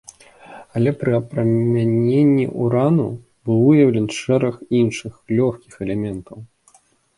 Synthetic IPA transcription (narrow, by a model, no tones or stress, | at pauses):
ɐlʲɛpɾɨɐpɾɐmʲanʲenʲːḭʔuɾanṵ | bɨwɨjɐwlʲɛnʂɛɾɐxinʂɨxlʲɔxkʲixɛlʲɛmʲɛnt̪ɐw